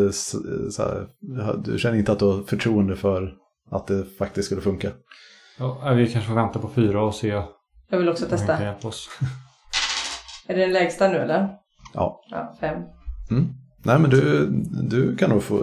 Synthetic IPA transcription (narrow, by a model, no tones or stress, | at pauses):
ssæ̰hd̪ɵ̰ɕɛnːəɾɪnt̪at̪d̪vafœʈʰɾuːənd̪əfœɾ | at̪̚d̪ɛfak̚t̪ɪst̪skɵlːəfɵŋka | jɑːavɪkʰanʂəfoːvɛnt̪apɔfyːɾaɔseː | jɑːɡvɪlɔksɔt̪ʰɛstt̪ajɛlpʰɔs | æɖɛɛnlɛːɡst̪anʉ̟ːɛlːəɾ | ʔɑ̰ːɑ̰ːfɛmːm̩ː | næːmɛnd̪ɵd̪ɵkʰanːuːɡfo̰